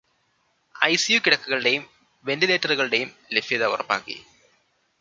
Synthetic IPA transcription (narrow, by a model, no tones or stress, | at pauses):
ɐjsijukiɽɐkːuɣɐɭɨɽe̞jum | ʋe̞ndileːtːɐruɣɐɭɨɽe̞jumlefijɐðɐṵrɐpːa̰ːkːḭ